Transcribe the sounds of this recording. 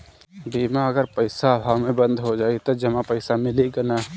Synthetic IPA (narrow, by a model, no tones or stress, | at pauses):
biːmaɐɡəɾpəɪsabʱaːʋmẽbə̃nd̪ʱɦod͡ʒaːit̪od͡ʒɐmãpəɪsamɪliɡɐna